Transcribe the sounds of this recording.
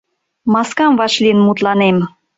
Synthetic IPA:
mɑskɑmvɑʃliənmut̪lɑnem

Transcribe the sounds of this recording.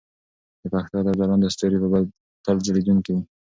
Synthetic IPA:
d̪əpaxt̪ɑd̪ad̪ɑɾɑnd̪əst̪əɾipəba | t̪alzəɽed̪uŋkiwi

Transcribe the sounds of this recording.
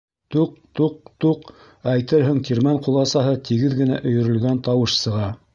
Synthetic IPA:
t̪uqt̪uq̚t̪uq | æjt̪ɘɾɦɘŋk̪iɾmæɴqulˠɑsɑɦɤt̪ʰiɡɘðɡɘ̆næʔɵ̆jɵ̆ɾɵ̆lɡænt̪ɑwɤʃsɤ̆ʁɑ

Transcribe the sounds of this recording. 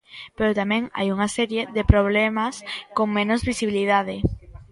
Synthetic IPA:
peɾot̪amɛ̃ŋa̰juŋasɛɾjeðepɾoβ̞lemɐskoŋmenozβisiβilið̞að̞ɪ

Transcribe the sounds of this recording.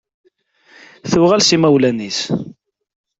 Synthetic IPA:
θʊʁælsimæwlænis

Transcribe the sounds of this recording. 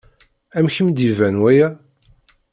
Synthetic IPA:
æmçimd̪ivænwæjæ

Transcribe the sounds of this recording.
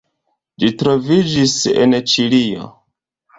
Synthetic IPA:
d͡ʒitɾo̞vid͡ʒise̞̰nt͡ʃilio̰

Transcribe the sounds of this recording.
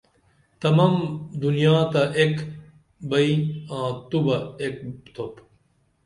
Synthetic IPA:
t̪ɐmamd̪unijaːt̪ɐʔek | bɐiãːt̪ubɐek̚t̪ʰop

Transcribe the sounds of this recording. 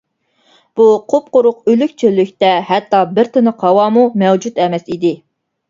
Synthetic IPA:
b̥uqʰop̚qʊɾʊqølykʲt͡ʃʰylːykʲt̪ɛɦɛt̪ːɑːbɪɾt̪ʰɪnɪqʰɑwɑːmumɛwd͡ʒut̪ɛmɛsid̪ɪ

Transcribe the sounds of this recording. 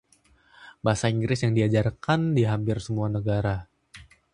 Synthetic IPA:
baɦasaiŋɡɾɪsjaŋdiad͡ʒarkandiɦampɪrsəmuanəɡaɾa

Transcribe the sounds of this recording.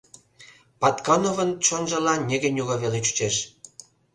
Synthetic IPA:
pɑt̪kɑnovənt͡ɕonʒɤ̆lɑnːʲeɣə̆nʲjuɣɑβelet͡ɕu̥t͡ɕeʃ

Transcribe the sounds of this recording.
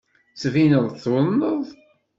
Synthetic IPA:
t͡svinəðˤθənːəðˤ

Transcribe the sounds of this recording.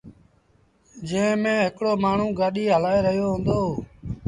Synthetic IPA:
d͡ʒẽːmẽːɦɪkɽoːmaːɳ̤ũːɡaːɗiːɦəlaːeːɾəɦijoːɦõːnd̪oːɦoː

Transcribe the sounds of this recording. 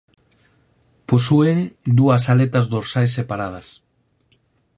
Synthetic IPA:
posueŋd̪uɐsalet̪azðoɾsajsːepaɾað̞ɐs

